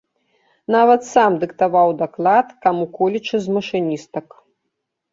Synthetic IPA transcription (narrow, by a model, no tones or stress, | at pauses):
navɐt̪samd̪ɨkt̪avawd̪aklˠat̪kamukɔlʲit͡ʂɨzmɐʂɨnʲist̪ɐk